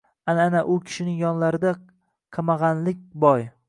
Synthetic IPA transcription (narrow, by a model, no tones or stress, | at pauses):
ananaʔʊkʲʰɪ̥ʃɪnɪŋjɒnlaɾɪd̪a | qʰɑmɑʁɑnlɪk̚ʲbɒj